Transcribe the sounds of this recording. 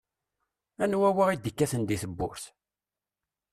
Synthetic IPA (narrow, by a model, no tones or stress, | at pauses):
ænwæwəʁid̪əkːæθənd̪iθəbːʊ̰ɾθ